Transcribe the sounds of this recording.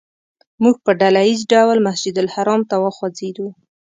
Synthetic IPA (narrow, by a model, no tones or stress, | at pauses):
muɡ̚pəɖalajizɖawlmasd͡ʒud̪alhaɾɑmt̪awəxwad͡zed̪u